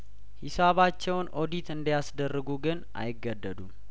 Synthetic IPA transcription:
hisaβat͡ʃːɛwnʔo̞d̪it̪ʰɨnd̪jasd̪ərːəɡuɡɨnʔa̰jɪɡːəd̪ːəd̪um

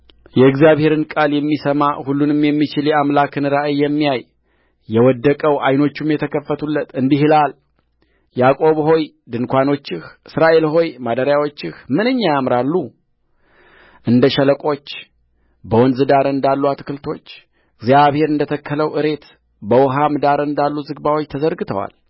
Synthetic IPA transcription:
jɛɨɡzijaβhe̞ɾɨnkʼaljɛmːisəmahulːunɨmjɛmːit͡ʃɪljɛamlakɨnɨɾaʔɨjːɛmːijaj | jɛwɔd̪ːəkʼəwajno̞t͡ʃːumjɛt̪ʰəkʰəfːət̪ʰulːət̪ɨnd̪ihɨlal | jakʼo̞βho̞j | d̪ɨnkʷano̞t͡ʃːɪhʔɨsɾaʔe̞lɦo̞jmad̪əɾjawo̞t͡ʃːɪxmɨnɨɲːajamɾalːu | ʔɨnd̪əʃələkʼo̞t͡ʃː | bəwɔnzɨd̪aɾɨnd̪alːuat̪kɨlt̪ʰo̞t͡ʃː | ɨɡzijaβhe̞ɾɨnd̪ət̪ʰəkʰːələwʔɨɾe̞t̪ | bəwɦamd̪aɾɨnd̪alːuzɨɡbawo̞t͡ʃːt̪ʰəzəɾɡɨt̪ʰəwa̰l

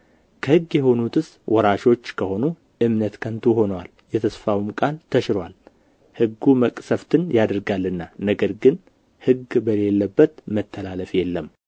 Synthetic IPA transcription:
kʰəhɨɡːjɛho̞nut̪ʰɨswʔɔɾaʃo̞t͡ʃːkʰəho̞nu | ʔɨmnət̪kʰənt̪ʰuho̞nwal | jɛt̪ʰəsfawmkʼalt̪ʰəʃɪɾwal | hɨɡːuməkʼsəft̪ʰɨnjad̪ɾɡalːɨnːanəɡəɾɡɨn | hɨɡbəle̞lːəbːət̪mət̪ʰːəlaləfjɛlːəm

